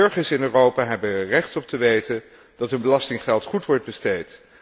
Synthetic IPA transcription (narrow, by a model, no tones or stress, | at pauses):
ɵɹχəsɪnøːrowpaːɦɛbərɛχtɔp̚təʋejtən | d̥ɑtɦənbəlɑstɪŋχɛlˠtχutʋɔɹd̚bəstejt